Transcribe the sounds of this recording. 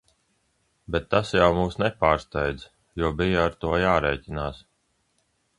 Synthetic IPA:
bɛt̪ːasjawmuːsnɛpaːɾst̪ajd̪z | juɔbijaːɾt̪uɔjaːɾɛːcʲinaːs

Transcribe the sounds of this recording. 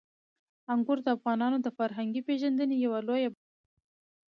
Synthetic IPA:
aŋɡʊɾd̪əafɣɑnɑnod̪əfaɾɦaŋɡipeʒand̪ənejawaloja

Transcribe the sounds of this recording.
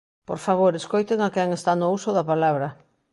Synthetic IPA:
po̰ɾfaβ̞oɾeskojt̪eŋakɛŋest̪anousoðapalaβɾɐ

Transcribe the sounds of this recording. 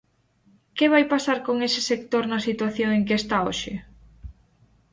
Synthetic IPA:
keβajpasaɾkoŋesɪ̥sek̚t̪oɾnɐsit̪waθjoŋeŋkest̪aoʃɪ

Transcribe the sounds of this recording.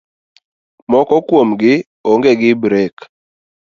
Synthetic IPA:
mɔkɔkwomɡɪ | oŋɡeɡɪbɾɛk

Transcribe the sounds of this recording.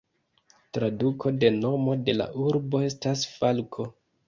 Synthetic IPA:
tɾadukʰo̞de̞no̞mo̞de̞la̰ʔuɾbo̞e̞stasfalkʰo̞

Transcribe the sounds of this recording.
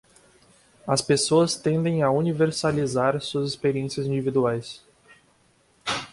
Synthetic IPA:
ɐspesoɐst̪ẽnd̪ẽj̃auniveɾsalizaɾsuɐzespeɾiẽsiɐzĩnd͡ʒivid̪uajs

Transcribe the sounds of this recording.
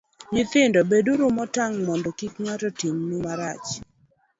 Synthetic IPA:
ɲɪt̪ɪndɔbeduɾʊmɔtaŋmɔndɔkikŋatɔtimnumaɾat͡ʃ

